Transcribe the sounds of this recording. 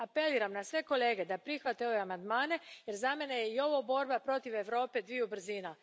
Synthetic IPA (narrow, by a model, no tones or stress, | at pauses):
apeliːɾamnasʋe̞ko̞le̞ːɡe̞d̪apɾixʋat̪ejoamand̪maːne̞jeɾzamenejeio̞ʋobo̞ɾbapɾo̞t̪iʋe̞ʋɾo̞ːpe̞d̪ʋiubr̩zina